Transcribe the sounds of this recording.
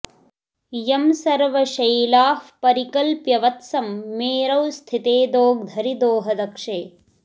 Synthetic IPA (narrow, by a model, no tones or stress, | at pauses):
jɐmsɐɾʋɐʃɐjlaːfpɐɾikɐlpjɐʋɐt̪sɐmːeːɾɐwst̪ʰit̪eːd̪oːɡ̚d̪ʱɐɾid̪oːɦɐd̪ɐkʂeː